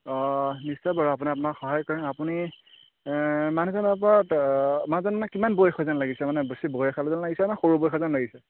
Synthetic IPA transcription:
ɔnisːɔbaɹɔapuniapunakxɔɦajkɔɹɛnapuni | manuzɔnɔp̬ɔatmanzɔnmanɛkimanbojɔxʰɔzanlaɡisɛmanɛbəsibojɔkʰalɔzanlaɡisɛmanxoɹubojxʰɔzanlaɡisɛ

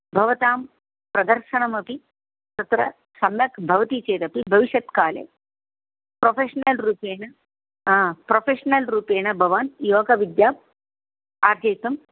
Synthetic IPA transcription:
bʱɐʋɐt̪aːm | pɾɐd̪ɐɾʃɐɳɐmɐpi | t̪ɐt̪ɾɐ̰ | sɐmjɐkbʱɐʋɐt̪it͡ʃeːt̪ɐpibʱɐʋiʃɐt̪kaːlḛː | pɾofʰeːʂɐnɐlɾuːpeːɳɐ | pɾoːfʰeːʂɐnɐlɾuːpeːɳɐbʱɐʋaːnjoːkɐʋid̪jaːm | aːɾd͡ʒ̪ɐjt̪ɐm

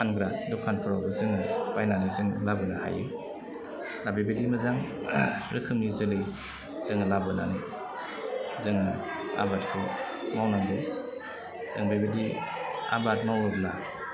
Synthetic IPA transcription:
anɡɾadɔkʰanpʰɯɾawbɯzɯŋɯpajnanɯzɯŋlabɯnaha̰jɯ̰ | lababɯdimɐzaŋ | ɾʔɯkʰɯmnizɯlɯj | z̥ɯŋɯlabɯnanɯ | zɯŋɯa̰bat̚kʰɯ | mawnaŋbɯ | dɯ̰ŋbajbadia̰bat̚mawɾɯbla

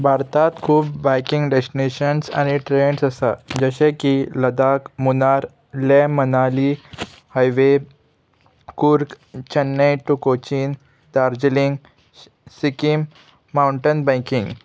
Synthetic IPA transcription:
bʱaɾt̪at̪kʰuːpbajkiŋɡɖesʈineɕənsa̰ñiʈɾeɳsəsad͡ʑəɕẽkiləd̪akmunaɾ | lemənali | hajʋe | kuɾk | t͡ɕənːeʈukot͡ɕin | d̪aɾd͡ʑliŋɡ | sikimː | awɳʈənbə̃jkĩŋɡ

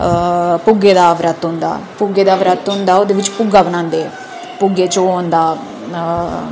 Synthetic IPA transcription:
pʊɡeːd̪aːʋɾət̪ɦʊ̃nd̪a̰ːpʊɡeːd̪aːʋɾət̪ɦʊ̃nd̪aːoːd̪eːʋɪt͡ʃpʊɡaːbənãːnd̪eː | pʊɡeːt͡ʃoːɦõnd̪aː

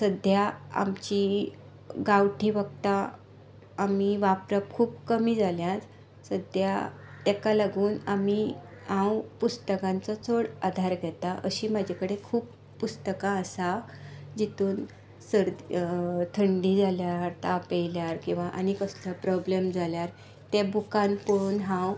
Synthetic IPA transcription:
səd̪ʱjaa̰mt͡ɕiː | ɡawʈiːʋəɡ̚t̪aː | miʋapɾəp̚kʰuːpkəmiːd͡zaljãt͡s | səd̪ʱja̰ | t̪ɛkalaɡuːnami | ãwpust̪əkãnt͡sɔt͡sʰoɽad̪ʱaɾɡʱɛt̪aʔəɕiːmad͡ʑʱakəɽekʰuːpː | ust̪əkaəsa | d͡ʑit̪uːn | səɾd̪t̪ʰəɳɖiːd͡zaljaɾt̪apejljaɾkĩw̃ʋaʔañikəsləpɾɔblemd͡zʱaljaɾ | t̪ɛbukãnpoɭuːnɦãw

